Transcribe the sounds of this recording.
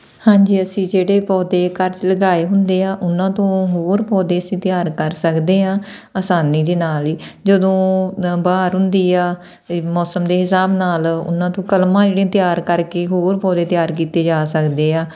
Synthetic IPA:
hãːd͡ʒiːəsĩːd͡ʒeːɽeːpɔːd̪eːkəɾt͡ʃləɡaːeːɦʊnd̪eːãːʔʊnãːt̪õːɦoːɾpɔːd̪eːəsĩːt̪ɪjaːɾkəɾsəkd̪eːãː | aːsaːniːd̪eːnaːliːd͡ʒəd̪õːbaːɾɦʊnd̪iːaː | mɔːsəmd̪eːɦɪsaːbnaːlʊ̰nãːt̪õːkəlmãːd͡ʒeːɽẽːt̪ɪjaːɾkəɾkeːɦoːɾpɔːd̪eːt̪ɪjaːɾk̬iːt̪eːd͡ʒaːsəkd̪eːãː

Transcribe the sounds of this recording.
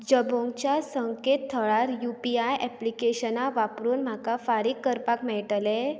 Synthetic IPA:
d͡ʑəbõŋɡt͡ɕjasəŋket̪ʰːəɭaɾjupiajʔɛplikeɕənaʋapɾuːnm̤akafaɾiːkːəɾpakmɛɭʈəle

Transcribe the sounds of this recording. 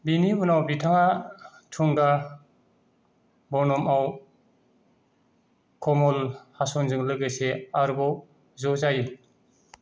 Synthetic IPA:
biniunawbitʰaŋatʰuŋɡa | bɔnɔmaw | kʰɔmɔlhasɔnzɯŋlɯɡɯjseaɾubɔw | zɔzaji

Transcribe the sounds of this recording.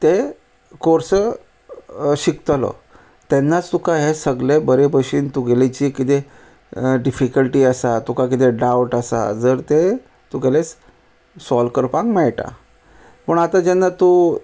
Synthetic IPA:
t̪e | koɾsə | ɕikt̪əlɔ̰ | t̪enːat͡st̪ukaɦesəɡlebəɾebʱəɕiːnt̪uɡelet͡ɕiːkit̪e | ɖifikəlʈiːəsat̪ukak̬it̪eɖawʈasa̰d͡zəɾt̪e | t̪uɡelet͡s | sɔlkəɾpãŋɡmɛɭʈa̰ | pəɳat̪ad͡ʑenːat̪u

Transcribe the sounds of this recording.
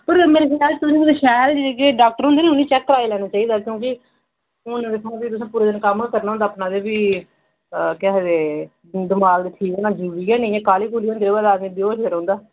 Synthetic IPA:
pəɾmeːɾekɪjaːlt̪ʊsĩd̪eːʃɛːld͡ʒeeːkeːɖaːk̚ʈəɾɦõnd̪eːnẽːʊnːĩːt͡ʃɛkːəɾaːilɛːnaːt͡ʃaːiːd̪aːkjõːk̬ɪ | ʊnʋɪt̪ʰãːbiːt̪ʊsãːpuːɾeːd̪ɪnkəmːkəɾnaːɦʊnd̪aːpnãːd̪eːbiː | kɛɦd̪eː | d̪ɪmaːɡd̪eːʈʰiːkenãːd͡ʒuːʋiːɛːnẽãːkaːliːkuːliːõnd̪eːɾeːbaːd̪aːɡnĩːd̪joːʃɡəɾɦõːnd̪aː

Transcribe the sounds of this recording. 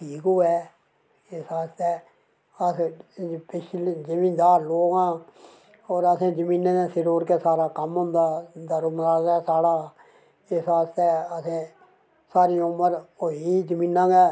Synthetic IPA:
ʈʰiːkuːɛː | ɪsaːst̪eː | əspɪʃʰlid͡ʒəmĩːnd̪aːɾloːɡãː | oːɾəsẽːd͡ʒəmĩːnẽːneːsɪɾoːɾkeːsaːɾaːkəmɦʊ̃nd̪aːd̪əɾuːməlaːd̪aːsaːɽaː | ɪsaːst̪ɛːəsẽː | saːɾiːʊməɾoːiːd͡ʒəmĩːnãːɡɛː

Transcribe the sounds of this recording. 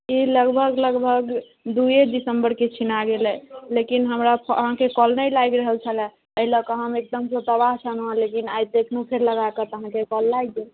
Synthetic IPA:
iləɡbʱəɡləɡbʱəɡ | d̪ujed̪isəmbəɾket͡ʃʰinaɡelɛlekinɦəmɾapʰə̰ɦãkekɔlnəjlajɡɾəɦəlt͡ʃʰəlɛ̃ | əiləkəɦəmek̚d̪əmsə̃t̪əβaɦt͡ʃʰanuãlekinaj̚d̪ekʰnupʰeɾləɡakət̪əɦãkekɔlːajd͡ʒe

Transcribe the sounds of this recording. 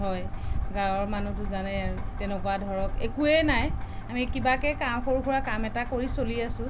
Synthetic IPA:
ɦɔjɡãwɔɹmanutʊzanɛaɹutɛnɛkɔwadʱɔɹɔkḛkuɛnajamikibakɛkamxoɹukʰuɹakamɛtakoɹisoliasʊ̃

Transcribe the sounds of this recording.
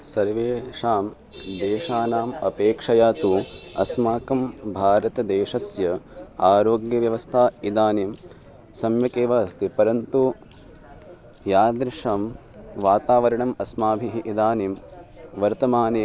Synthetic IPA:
sɐɾʋeːʂaːm | d̪eːʃaːnaːmɐpeːkʂɐjaːt̪uɐ̰smaːkɐmbʱaːɾɐt̪ɐd̪eːʂɐsjɐaːɾoːɡjɐʋjɐʋɐst̪ʰaːid̪aːneːm | sɐmjɐkeːʋaːst̪ʰipɐɾɐnt̪u | jaːd̪ɾɪʂaːm | ʋaːt̪aːʋɐɾɐɳɐmɐsmaːbʱiɦiʔid̪aːneːmʋɐɾt̪ɐmaːneː

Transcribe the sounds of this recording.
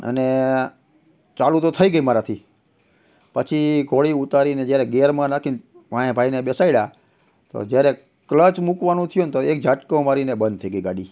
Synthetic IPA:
ə̰ne | t͡ʃalut̪ot̪ʰəiɡəimaɾat̪ʰi | pət͡ʃʰiɡʱoɭiut̪aɾined͡ʒjaɾɛɡeɾmãnakʰin | ʋãẽbʱainebɛsaiɽa | t̪o̰d͡ʒjaɾe | klət͡ʃmukʋanũt̪ʰijũnt̪oek̚d͡ʒaʈkõmaɾinebənd̪̚t̪ʰəiɡəiɡaɽi

